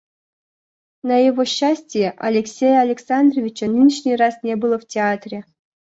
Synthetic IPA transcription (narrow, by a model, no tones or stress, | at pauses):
nɐjɪvoɕːasʲtʲɪjeʔɐlʲeksʲejəɐlʲɪksand̪rovʲɪt͡ɕənɨnʲiʂnʲijrasnʲebɨlˠəftʲɪat̪rʲe